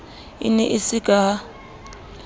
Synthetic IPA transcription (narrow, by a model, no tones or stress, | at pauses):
ɪ̰nɛʔɪsɪkʼa